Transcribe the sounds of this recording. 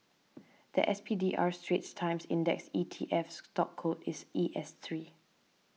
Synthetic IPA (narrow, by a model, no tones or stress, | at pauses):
d̪̥ə̰ʔɛspʰidiʔaɹstɹetstʰãɪ̃msɪ̰̃ndɛ̰ksitʰḭʔɛfstɔkʰːotɪsiʔɛstʰɹi